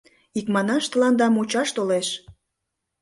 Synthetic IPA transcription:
ikmɑnɑʃt̪ə̆lɑnd̪ɑmut͡ɕɑʃt̪oleʃ

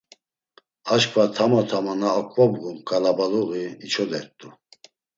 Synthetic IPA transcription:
aʃkʰvat̪ʰamat̪ʰamanaːkʼvabɡumkʼalabaluɣiit͡ʃʰɔd̪ɛɾt̪ʼu

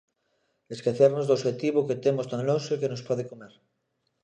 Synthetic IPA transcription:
eskeθeɾnozðosxet̪iβoket̪emost̪ãŋlosoikenospɔðekomeɾ

